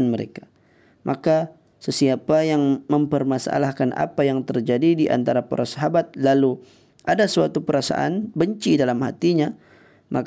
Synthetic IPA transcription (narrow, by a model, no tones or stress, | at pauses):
nməɾḛka | mʔaka | səsiapajaŋməmpərmasaʔa̰lahkanʔa̰pajaŋt̪ərd͡ʒadidiʔa̰nt̪aɾapa̰ɾasaɦabat̪̚lalu | ʔadasuat̪upəɾasa̰ʔa̰nbəɲt͡ʃidalamhat̪iɲa | mʔak